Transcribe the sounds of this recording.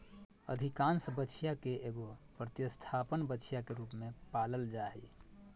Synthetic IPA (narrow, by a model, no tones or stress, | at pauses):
ə̰d̪ʱikaːnsəbəːt͡ʃʰijakeʔeːɡopɾət̪jəst̪ʰaːpənbətːt͡ʃʰjakeɾuːpmẽpaːləld͡ʒaːɦḭ